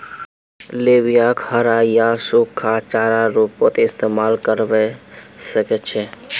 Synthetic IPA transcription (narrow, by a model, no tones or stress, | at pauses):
lebijakhəɾajasukʰːat͡ʃaɾaɾupːət̪ɪst̪emalkəɾbɛsəkɛt͡ʃʰɛ